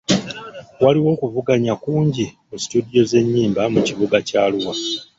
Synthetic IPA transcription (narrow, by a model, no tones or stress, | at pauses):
waliwo̞ːkuvuɡaɲakuːɲɟimusi̥tudijo̞ze̞ɲːiːmbamuciβuɡacaːluwa